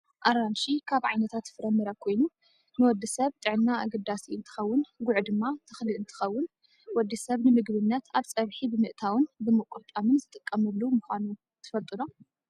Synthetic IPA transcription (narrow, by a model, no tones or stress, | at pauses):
ʔaɾanʃikʰaβʕajnɐt̪ʰat̪fɨɾɐmːɨɾakʰo̞jnu | nɨwɔd̪ːisɐβt̪ʼɨʕɨnːaa̰ɡɐd̪ːasiɨnt̪ʰɨ̥xɐwːʊnɡʊʕd̪ɨmːat̪ʰɨxlɨɨnt̪ʰɨ̥xɐwːʊn | wɔd̪ːisɐβnɨmɨɡβɨnːɐt̪ʰaβt͡sʼɐβħibɨmɨʔt̪ʰawɨnbɨmɨkʼut̪ʼamɨnzɨt̪ʼɨkʼːɐmɨlːumuxʷanu | t̪ʰɨ̥fɐlt̪ʼɨno